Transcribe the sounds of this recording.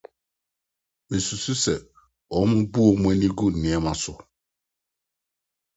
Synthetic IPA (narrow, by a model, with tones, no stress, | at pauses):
mẽ˨su˨su˦sɛ˨ | ɔ˨˦mʊ̃˦bu˦ɔ˨m̃˦ɛ̃˦nĩ˦ɡu˦˨nɪ̃˨ɛ˦mã˨sʊ˨